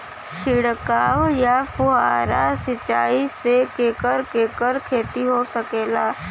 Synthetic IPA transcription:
t͡ʃʰɪɽkaːwjapʊɦaːɾasɪt͡ʃaːisekeːkəɾkeːkəɾkʰeːt̪iɦosəkeːlaː

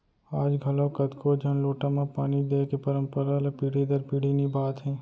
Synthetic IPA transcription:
aːd͡ʒɡʱəlõkəd̪kʰod͡ʒʱənloːʈamẽpaːnid̪ekepəɾə̃mpəɾalepiːɽ̤id̪əɾpiːɽ̤inibaːt̪ɦɛ̃ː

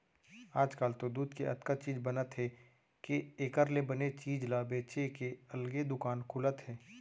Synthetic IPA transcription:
aːd͡ʒkaːlt̪od̪uːd̪keʔɐ̰t̪kət͡ʃiːd͡ʒbɐnət̪ɦɛ | keeːkəɾlebɐnet͡ʃiːd͡ʒlabeːt͡ʃekeɐlɡed̪ʊkaːnkʰʊlət̪ɦɛː

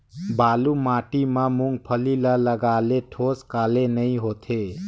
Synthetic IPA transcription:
baːlumaʈimãmuŋɡ̚pʰəlilaləɡaleʈʰoskaːlenəĩɦot̪ʰe

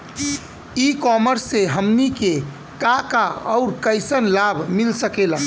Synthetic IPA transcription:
ikɔməɾsːeɦəmnike | kakaɔ̰ʊɾkəɪsənlabʱmilsəkela

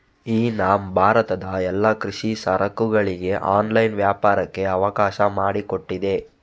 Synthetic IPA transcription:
iːnaːmbʱaːɾɐt̪ɐd̪ɐɛlːakɾiʂisɐɾɐkuɡɐɭiɡe̞ʔaːnlɐjnʋjaːpaːɾɐkːe̞ɐʋɐkaːʃɐmaːɽiko̞ʈːid̪e̞

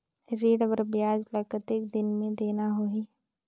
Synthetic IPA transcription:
ɾiːɽʋəɾbjaːd͡ʒləkət̪ɪk̚d̪ɪnmẽd̪eːnaɦoi

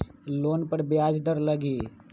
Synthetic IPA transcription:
loːnpəɾbjaːd͡ʒd̪əɾləɡiː

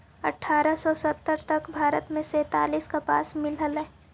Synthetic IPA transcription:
ɐ̰ʈʰːaːɾəsɔsət̪ːəɾt̪əkbʱaːɾə̰t̪mẽsɛ̃ːt̪a̰ːliːskapa̰ːsmɪlɦəlɛ

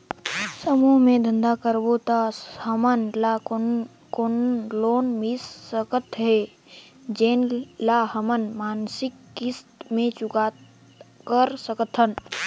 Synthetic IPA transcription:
səmuːɦmẽd̪ə̃nd̪akəɾbot̪ahəmənla | konloːnmisːəkət̪ʰɦɛ | d͡ʒeːnlaːɦəmənmaːnsɪkːɪst̪mẽt͡ʃʊkaː | kəɾsəkət̪ʰən

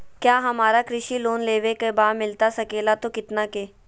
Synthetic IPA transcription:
kjaːɦɐmaːɾakɾɪʃiloːnleːʋekebaːmɪlt̪asɐkeːlat̪okɪt̪nakeː

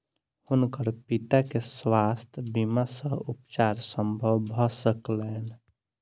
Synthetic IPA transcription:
hʊnkəɾpit̪akeswast̪ʰbimasə̃upt͡ʃaɾsəmbʱəwʱɔsəklen

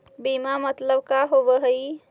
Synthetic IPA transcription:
bimamət̪ləbkaɦobəɦəj

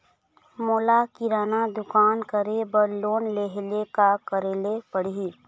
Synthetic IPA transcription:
moːlakɪɾaːnad̪ʊkaːnkəɾebəɾloːnleɦlekakəɾeːlepəɽ̤i

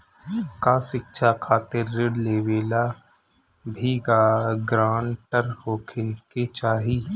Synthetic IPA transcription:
kaʃɪkʃʰakʰaːt̪ɪɾːɪɽleːʋeːla | bʱiːɡaɡɾãːɳʈəɾhoːkʰeket͡ʃaːɦiː

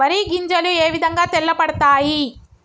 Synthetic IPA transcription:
ɐɾiɡiɲd͡ʒɐlueːʋid̪ʱɐŋɡaːt̪ɛlːɐpɐɽɐt̪aːji

